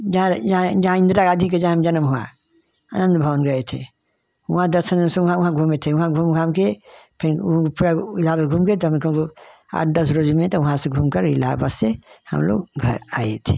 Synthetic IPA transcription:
d͡ʒɦãd͡ʒãd͡ʒɐɦãɪ̃nd̪ɾaɡaːd̪ʱikːed͡ʒaɦãamd͡ʒənmɦua̰ | a̰ːnə̃nd̪bʱəʋənɡəet̪ʰḛ | ʊɦãd̪əɾsənmseʊɦãʊɦãɡʱumet̪ʰeʊɦãɡʱumɡʰamkepʰɪnɦkpuɾaɪlabaɡʱumket̪ɔɦmkoo | a̰ːʈʰd̪əsɾod͡ʒmẽt̪ɔʋʊɦãseɡʱumkəɾḭla̰bassehə̰mlo̰ɡɡʱə̰ɾa̰ːḛt̪ʰe̥

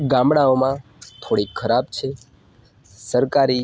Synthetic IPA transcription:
ɡãmɽaomã | t̪ʰoɽikʰəɾab̚t͡ʃʰe | səɾkaɾi

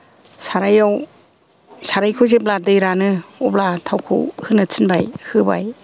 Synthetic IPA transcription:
saɾajaw | saɾajkʰɯzep̚ladɯjɾanɯɔp̚latʰawkʰɯ̰hɯnɯtʰɯnbajhɯba̰j

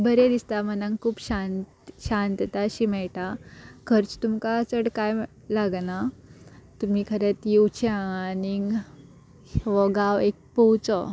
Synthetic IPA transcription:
bəɾed̪ist̪amənãŋkʰuːpɕant̪ɕãnt̪t̪aɕiːmɛɭʈakʰəɾt͡st̪umkat͡səɽkaj | laɡna | t̪um̤iːkʰəɾet̪jiut͡ɕãːni | ʋɔɡaʋek̚pɔwt͡sɔ

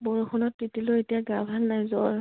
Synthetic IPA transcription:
bɔɹuxʰɔnɔtːitiloetijaɡabʱalnajzɔɹ

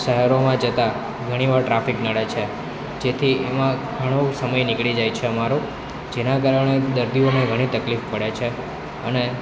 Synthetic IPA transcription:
ʃəɦəɾomãd͡ʒət̪a | ɡʱəɽ̃iʋaɾʈɾafiknəɽet͡ʃʰe | d͡ʒet̪ʰiemãɡʱəɽ̃osəməjnikɭid͡ʒajt͡ʃʰeəmaɾo | d͡ʒenak̬aɾəɽ̃ed̪əɾd̪ioneɡʱəɽ̃ĩt̪əklifpəɽet͡ʃʰe | ə̰ne

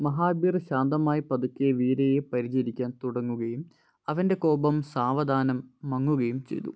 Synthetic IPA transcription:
mɐɦaːbiːrɕaːnd̪ɐmaːjipɐd̪ɐkʲːeʋiːɾejepɐɾit͡ɕɐɾikʲːaːnt̪uɽɐŋːuɣɐjum | ɐʋɐnde̞ko̞ːbɐmsaːʋɐd̪ʱaːnɐmːɐŋːuɣɐjumt͡ɕe̞̰jt̪ṵ

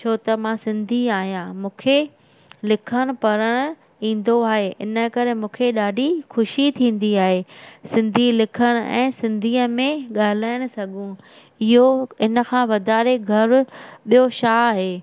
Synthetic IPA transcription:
t͡ɕʰoːt̪ɐmãːsɪ̃nd̪ʱiaːɦijãmũːkʰe | lɪkʰəɽ̃ʊ̆pɐɾəɽ̃ʊ | ĩːn̆d̪oaːɦeʔɪ̰nə̆kɐɾemũːkʰeɗaːɖʱixʊʃit̪ʰĩːn̆d̪iaːɦeːsɪ̃nd̪ʱilɪkʰəɽ̃ʊ̆ɛ̰̃ːsɪ̃nd̪ʱiːəmẽɠaːl̤aːɪɽ̃ʊ̆sɐɡʱũ | ɪɦoɪnə̆kʰãːʋɐd̪ʱaːɾeɡʱɐɾʊɓijoʃaːaːɦeː

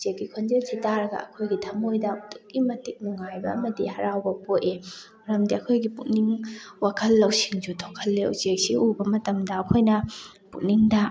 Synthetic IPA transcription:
t͡ʃek̚ɡikʰond͡ʒelsitaɾɐɡɐ̰ɐ̰kʰojɡitʰɐmojdɐtuk̚ɡimɐtik̚nuŋajbɐɐmɐdihɐɾawbɐpotemɾɐmdiɐkʰojɡiput̚niŋwakʰɐlːɐwsiŋd͡ʒutʰokʰɐlːeo̰wt͡ʃek̚siʔubɐmɐtɐmdɐɐkʰojnɐ | pṵk̚niŋdɐ

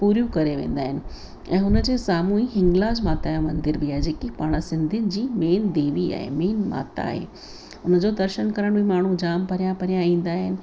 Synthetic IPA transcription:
puːɾjũkɐɾeʋḛ̃ːn̆d̪aːɦɪnɪ̆ | ɛ̃ːɦʊnəd͡ʑeːsaːmuĩɦɪ̃ŋɡlaːd͡ʑmaːt̪ajamɐ̃nd̪ɪɾbiaːed͡ʑeːkipaːɽ̃sɪ̃nd̪ʱɪnɪ̆d͡ʑiːmeːnd̪eːʋia̰ːɦḛmeːnma̰ːt̪a̰ːɦḛː | ʊnəd͡ʑoːd̪ɐɾʃənkɐɾəɽ̃bʱimaːɳ̤ud͡ʑaːmpɐɾijãpɐɾijãĩːn̆d̪aːɦɪnɪ̆

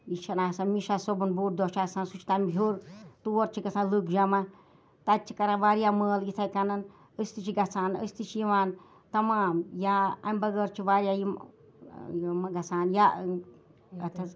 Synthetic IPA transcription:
it͡ʃʰɐnaːsanmiʃasobunbuːʈ̚d̪ot͡ʃʰaːsãnsut͡ʃʰt̪amɦʲuɾt̪uoɾt͡ʃʰiɡɐt͡sʰãnlɨkd͡ʒama | t̪at͡ʃʰi̥kɐɾãʋaːɾjaməːlit̪ʰajkanɐn | əst̪ɨt͡ʃʰiɡɐt͡sʰaːnə̰st̪ɨt͡ʃʰijiʋaːn | t̪ɐmaːmjaɐ̰mʲbɐɡəːɾt͡ʃʰiʋaɾjajim | jomaɡɐt͡sʰaːnja | ɐt̪ʰɐ

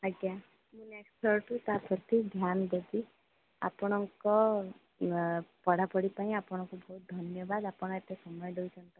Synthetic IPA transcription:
aɡja | mũneksʈʰɔɾʈut̪apʰɔt̪id̪ʱjand̪ed̪i | a̰pɔɽ̃ɔŋkɔ | pɔɽ̤apɔɽipaĩapɔɽ̃ɔŋkubɔɦut̪̚d̪ʱɔnjɔbad̪apɔɽ̃ɔet̪esɔmɔjɔɖojt͡ʃʰɔnt̪ɔ

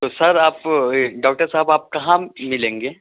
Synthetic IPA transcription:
t̪osɐɾaːpɖaːkʈəɾsaɦbaːp̚kɐɦãmɪlẽːŋɡeː

